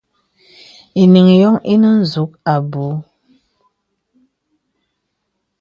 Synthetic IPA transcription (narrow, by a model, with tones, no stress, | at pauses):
i˨ni˨ŋjɔ˦ŋi˦nə˦n̩˦zu˨˦k̚a˨bu˨˦